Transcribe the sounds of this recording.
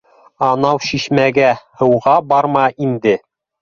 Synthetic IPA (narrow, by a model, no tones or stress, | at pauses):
ɑnɑwɕiɕmæɡæhɤ̆wʁɑbɑɾmɑʔind̪ɘ